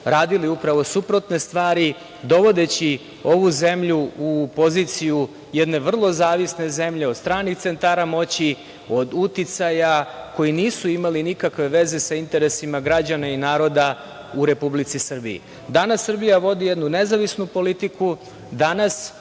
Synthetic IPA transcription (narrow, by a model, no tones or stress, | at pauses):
ɾaːd̪iliupɾaʋo̞supɾo̞t̪ne̞st̪ʋaːɾi | d̪o̞ʋo̞d̪e̞t͡ɕi | o̞ʋuze̞mʎuupo̞zit̪siju | jed̪ne̞ʋr̩lˠo̞zaːʋisne̞ze̞mʎe̞o̞d̪st̪ɾaːnixt̪se̞nt̪aːɾamo̞t͡ɕi | o̞d̪ut̪it̪sajako̞jiniːsuimalinikakʋe̞ʋe̞ze̞saint̪e̞ɾe̞simaɡɾad͡ʑanainaːɾo̞d̪a | uɾe̞publit̪sisr̩bḭjḭ | d̪anasːr̩bijaʋo̞d̪ijed̪nune̞zaʋisnupo̞lit̪iku | d̪anas